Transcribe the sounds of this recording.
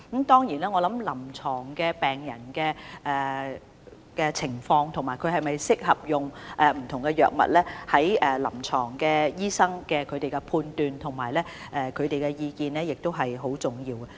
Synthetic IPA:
mt̪ɔː˥ŋjiː˨˩nɛː˥ŋɔː˨˧lɐ˨˥mlɐ˨˩mt͡ʃʰɔː˨˩ŋkɛː˧pɛː˨ŋjɐ̰˨˩nkɛː˧ʔɛː˨ | kɛ˧t͡sʰɪ˨˩ŋfɔː˧ŋt̪ʰʊ˨˩maː˨˩jkʰɵ˨˧ɥɦɐ˨jmɐ˨jsɪ˥k̚hɐ˨p̚jʊ˨ŋʔɛː˨m̩˨˩t̪ʰʊ˨˩ŋkɛ˧jœ̰ː˨k̚mɐ̰˨t̚lɛː˥hɐ˨˥jɛː˨lɐ˨˩mt͡ʃʰɔː˨˩ŋkɛː˧jiː˥sɐ˥ŋkɛː˧kʰɵ˨˧t̪e˨jkɛ˧pʰuː˧nt̪yː˨˧nt̪ʰʊ˨˩ŋmaː˨˩jlɛː˥ | ʔɛː˨kʰɵ˨˧ɥt̪e˨jkɛ˧jiː˧kiː˨˧nlɛː˥jɪ˨k̚t̪o˥wɦɐ˨jɦo˨˥wt͡sʊ˨˩ŋjiː˧wɐ˧

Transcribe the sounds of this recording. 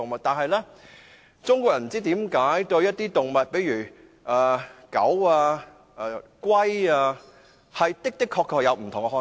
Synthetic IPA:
ʊ˨ŋmɐ˨t̚t̪aː˨nɦɐ˨jlɛ˥ | t͡sʊ˥ŋkʷɔː˧jɐ˨˩m̩˨˩t͡siː˥t̪iː˨˥mkaː˨˥jt̪ɵ˧ɥjɐ˥t̚t̪iː˥t̪ʊ˨ŋmɐ˨t̚pe˨˥jyː˨˩ | ʔaː˨kɐ˨˥waː˧˨ | kwɐ˥jaː˧ | hɐ˨jt̪ɪ˥k̚t̪ɪ˥kʰːɔː˧kʰːɔː˨˧k̚jɐ˨˧wm̩˨˩t̪ʰʊ˨˩ŋkɛ˧hɔː˧

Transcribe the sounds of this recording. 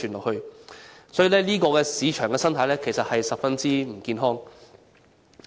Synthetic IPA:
yː˨˩nlɔː˨khɵ˧sɔː˨˥ji˨lɛː˥liː˥kɔː˧kɛː˧siː˨˧t͡ʃʰœː˨˩ŋɛː˧sɐ˥nt̪ʰɐ˨˧˥jlɛː˥kʰe˨˩jsɐ˨t̚hɐ˨jsɐ˨p̚fɐ˥nt͡siː˥m̩˨˩kiː˧nɦɔː˥ŋ

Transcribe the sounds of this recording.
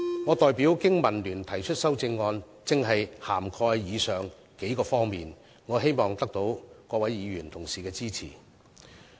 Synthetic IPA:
ŋɔː˨˧t̪ɔː˨jpiː˨˥wkɪ˥ŋmɐ˨˩nlyː˨˩nt̪ʰɐ˨˩jt͡ʃʰɵ˥t̚sɐ˥wt͡sɪ˧ŋːɔː˧n | t͡sɪ˨ŋɦɐ˨jhaː˨˩mkʰɔː˧jjiː˨˧sœː˨ŋ | ke˨˥jkɔː˧fɔː˥ŋmiː˨n | ŋɔː˨˧ɦe˥jmɔː˨˩ŋt̪ɐ˥k̚t̪o˨˥wkɔː˧wɐ˨˥jjiː˨˧ɥyː˨˩nt̪ʰʊ˨˩ŋsiː˨kɛː˧t͡siː˥t͡sʰḭː˨˩

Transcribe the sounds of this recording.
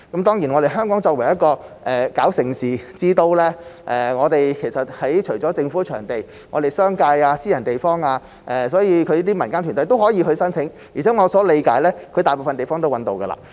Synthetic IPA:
kɐ˨˥mt̪ɔː˥ŋji˨˩nɔ˨˧ɾe˨jɦœː˥ŋkɔː˨˥ŋt͡sɔː˧k̚wɐ˨˩jɐ˥t̚kɔː˧ʔɛː˨kaː˨˥wsɪ˨˩ŋsiː˨t͡siː˥t̪o˧wlɛː˥ʔɛː˧ŋɔː˨˧t̪e˨jkʰe˨˩jsɐ˨t̚hɐ˨˥jt͡ʃʰɵ˨˩ɥt͡sɔː˨˥t͡sɪ˧ŋfuː˨˥t͡ʃʰœː˨˩ŋt̪e˨˩j | ŋɔ̰ː˨˧t̪e˨jsœː˥ŋkaː˧jaː˧siː˥jɐ˨˩nt̪e˨jfɔː˥ŋaː˧ | ʔɛː˨sɔː˨˥jiː˨˧kʰɵ˨˧ɥjiː˥t̪iː˥mɐ˨˩nkaː˥ntʰyː˨˩nt̪̬jt̪o˥whɔː˨˥jiː˧hɵ˧ɥsɐ˥nt͡sʰɪ˨˥ŋ | iː˨˩t͡sʰɛː˨˥ŋɔː˨˧sɔː˨˥le˨˧jkaː˨˥jlɛː˥kʰɵ˨˧ɥt̪aː˨jpo˨wfɐ˨nt̪e˨jfɔː˥ŋt̪o˥wɐ˨˥nt̪o˨˧wɡɐ̰˧la̰ː˧˩

